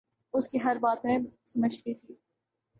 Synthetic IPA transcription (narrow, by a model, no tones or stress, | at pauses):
ʊskiɦɐɾbaːt̪mẽsɐməd͡ʒt̪it̪ʰiː